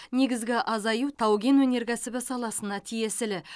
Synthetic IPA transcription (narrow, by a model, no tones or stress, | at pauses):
ne̞ɡʲɪzɡʲɪʔɑzɑjuwt̪ʰɑwɡʲe̞nwɵne̞ɾkʲʰæsɪbɪsɑlˠɑsənɑt̪ʰije̞sɪlɪ